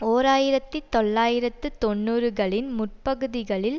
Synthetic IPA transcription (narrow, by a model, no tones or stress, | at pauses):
oːɾaːjɪɾɐt̪ːɯt̪ɔɭːaːjɪɾɐt̪ːɯt̪ɔɳːuːɾɯɣɐɭɪnmʊʈ̚pɐɣɯðɪɣɐɭɪl